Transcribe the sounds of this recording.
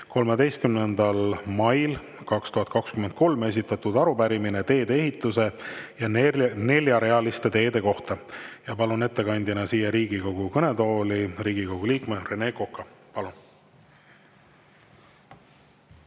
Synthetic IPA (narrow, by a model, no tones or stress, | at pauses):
ko̞lme̞d̪e̞jst̪̚kymnend̪̥ɑlmɑjl | kɑkst̪uɦɑt̪̚ˑkɑkskymend̪̥ko̞lme̞s̬ʲit̪ːˑɑt̪ud̪̥ɑɾubæɾiminet̪e̞ːd̪e̞eɦit̪ːˑuse̞jɑne̞lʲjɑɾe̞ɑlist̪e̞t̪e̞ːd̪e̞ko̞ht̪ɑjɑpɑlune̞t̪ːe̞kɑnʲd̪̥ʲɑnɑsiːjɑɾiːɡ̥iko̞ɡ̥ukɤne̞d̪o̞ːliriːɡ̥iko̞ɡ̥uliːkmerene̞kokːɑpɑlun